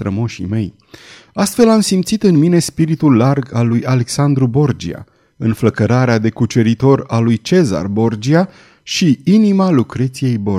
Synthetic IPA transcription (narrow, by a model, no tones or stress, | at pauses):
t̪ɾəmoʃḭme̞j | ast̪fe̞lamsimt̪sit̪ɨnmine̞spiɾit̪ulːarɡalujale̞ksand̪ɾubo̞rd͡ʒḭa̰ | ɨnfləkəɾaɾead̪e̞kut͡ʃe̞ɾit̪o̞ɾalujt͡ʃe̞za̰rbo̞rd͡ʒia | ʃiinimalukɾet̪sije̞jbo̞